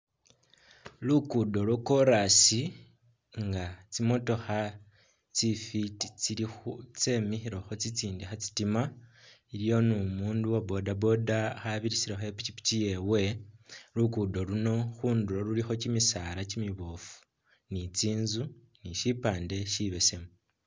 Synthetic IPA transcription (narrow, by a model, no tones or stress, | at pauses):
lukudo̞lwoko̞ɾasi | ŋɡat͡simo̞to̞xa | t͡sifitit͡siɾixut͡se̞mixiɾo̞xo̞t͡sit͡siːndixat͡si̥tima | iɾijo̞numuːnduwobo̞dabo̞daxaβiɾisiɾexoepicipi̥tije̞we̞lukudo̞luno̞xuːnduɾolulixo̞cimisaɾacimiβofu̥ | nit͡siːnzu | niʃipaːnde̞ʃiβe̞se̞mu